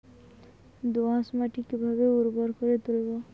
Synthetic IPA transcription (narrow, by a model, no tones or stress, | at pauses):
d̪oãsmaʈikibʱabeuɾbɔɾkɔɾet̪ulebɔ